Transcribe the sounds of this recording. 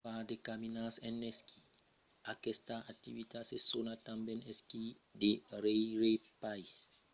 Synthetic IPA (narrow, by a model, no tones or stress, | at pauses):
padekaminasɛneskʰi | akestaak̚t̪ivit̪asesonat̪ambɛneski | deɾeɾepajs